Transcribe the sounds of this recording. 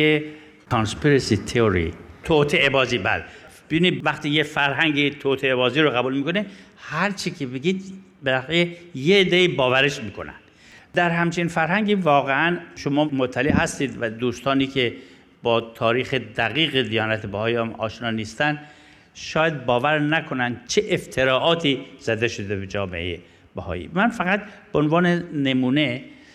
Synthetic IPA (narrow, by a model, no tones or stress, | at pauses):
e | kʰɒnspiɾesit̪ʰeoɾḭt̪ʰot̪ʰeʔebɒːziːbæ̰leb̥ebinid̪væxt̪iːjefæɾɦæŋɟet̪ʰot̪ʰeebɒːziːɾoɣæbuːlmiːkone | hæɾt͡ʃʰikʰebeɡiːd̪ | belæxjejeːd̪ːeiːbɒːvæɾeʃmiːkʰo̞̰næ̰nd̪̥ | d̪æɾɦæmt͡ʃʰinfæɾɦæŋɟiːvɒːɣeænʃomɒːmot̪ʰːæleʔɦæst̪iːd̪væd̪uːst̪ɒːniːkʰe | bɒːt̪ʰɒːɾiːxed̪æɣiːɣed̪ijɒːnæt̪ʰebæhɒːjiæmɒ̰ːʃnɒːniːst̪ænd̪ | ʃɒːjæd̪̚bɒːvæɾnækʰo̞nænd̪t͡ʃʰeʔeft̪ʰeɾɒːʔɒːt̪ʰiːz̥æd̪eʃod̪ebed͡ʒɒːmḛʔejḛ | bæhɒ̰ːjḭːmænfæɣæt̪̚beonvɒːnenemuːne